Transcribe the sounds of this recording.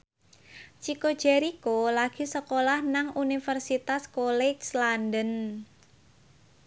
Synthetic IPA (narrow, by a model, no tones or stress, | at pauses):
t͡ʃikod̥d͡ʒ̥ɛɾikolaɡ̥i̤səkolahnaŋʔunifərsit̪askolɛɡslandən